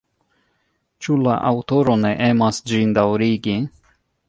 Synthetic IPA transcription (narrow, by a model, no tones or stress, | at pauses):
t͡ʃula̰ʔa̰wto̞ɾo̞ne̞ʔe̞masd͡ʒindawɾiɡi